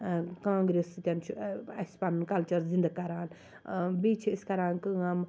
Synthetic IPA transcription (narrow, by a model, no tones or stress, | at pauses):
kãːŋɡɾeskʲɐnt͡ʃʰuɐspannkɐlt͡ʃɐɾzind̪ɐkɐɾaːn | biːt͡ʃʰiskɐɾaːnkɨam